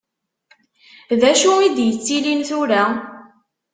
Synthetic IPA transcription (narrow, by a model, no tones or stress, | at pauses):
ðæʃuid̪jət͡sːilinθʊɾæ